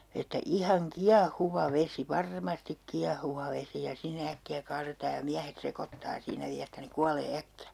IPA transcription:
etːæ ihɑŋ kiɑhuʋɑ ʋesi ʋɑrmɑstik kiɑhuʋɑ ʋesi jɑ sinːe ækːiæ kɑːretɑː jɑ miæhet sekotːɑː siːnæ ʋiæ etːæ ne kuɑleː ækːiæ

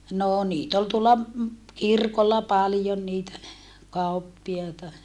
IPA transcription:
noː niːt ol tuolːɑ kirkolːɑ pɑljon niːtæ kɑupːiɑitɑ

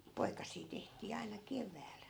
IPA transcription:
jɑ poikɑsˑiː tehtˑiː ɑinɑ keʋæːl

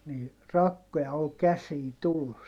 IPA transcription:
niː rɑkːojɑ ol kæsiːn tulːus

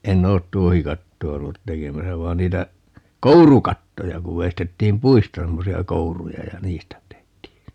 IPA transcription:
enˑ oːt tuohikɑtːoɑ olːut tekemæsæ ʋɑi̯n niːtæ kourukɑtːojɑ kuʋ ʋeistetːiːm puistɑ semːosiɑ kourujɑ jɑ niːstæ tehtiː

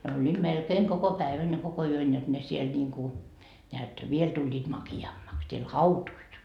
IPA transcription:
ne olʲːiːd̥ melkeːŋ koko pæeʋæn jɑ koko yøn jot ne siel nʲiːŋku neæt ʋiel tulʲːiːt mɑkiɑmːɑks siel hɑutuit

